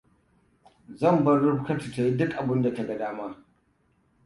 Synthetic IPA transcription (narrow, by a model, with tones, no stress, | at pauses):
zɐ˦˨mbɐ˦rːʊ˦ɸkɐ˦ti˨ta˨ji˦dʊ˦kʔa˨bʊ˦nda˨tɐ˦ɡɐ˨daː˦maː˦